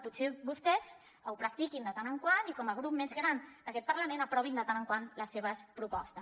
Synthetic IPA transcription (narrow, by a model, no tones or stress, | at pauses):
put̪sebust̪ɛz | əwpɾak̚t̪ikind̪ət̪anəŋkwanikɔməɣ̞ɾup̚mezɣɾand̪̥akɛt̪̚paɾləmẽnapɾɔβind̪ət̪anəŋkwanləseβ̞əspɾupɔ̰st̪ə